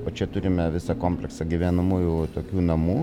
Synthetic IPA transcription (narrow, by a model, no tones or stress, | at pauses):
oːt͡ʃʲɛt̪ʊɾʲɪmʲɛʋʲɪsɐkoːmʲpʲlʲɛksɐɡʲɪʋʲæːnɐmuːjut̪oːkʲuːnɐmuː